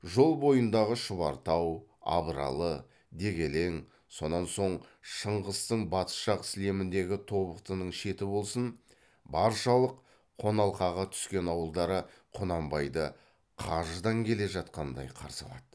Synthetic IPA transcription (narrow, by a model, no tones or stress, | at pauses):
ʒo̞lˠbo̞jənd̪ɑʁəʃəβɑɾt̪ɑwɑ̰βəɾɑ̰lˠə | d̪e̞ɡʲe̞le̞ŋ | so̞nɑnso̞ɴʃəɴʁəst̪əɴbɑt̪ə̥ʃɑqɪ̥sle̞mɪnd̪e̞ɡʲɪt̪ʰo̞βəqt̪ənəɴʃe̞t̪ɪbo̞lˠsən | bɑɾʃɑlˠəqʰː | o̞nɑlˠqɑʁɑt̪ʰʏ̥skʲe̞nɑwəlˠd̪ɑɾə | qʰonɑmbɑjd̪ə | qʰɑʒəd̪ɑŋkʲʰe̞le̞ʒɑt̪̚qɑnd̪ɑ̰jqʰɑ̰ɾsɑ̰lˠɑd̪̥ə